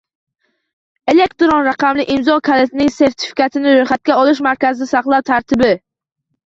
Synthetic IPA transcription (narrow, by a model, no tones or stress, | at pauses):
e̞lekt̪ɾonɾaqɑmlɪʔɪmzɒkʲʰalet̪ʰnɪŋse̞ɾt̪ʰɪ̥fi̥kʲat̪ʰɪnɪɾojχat̪̚kʲaɒlˠɪʃ̬maɾkʲazɪd̪asaqlˠawt̪ʰaɾt̪ʰɪbɪ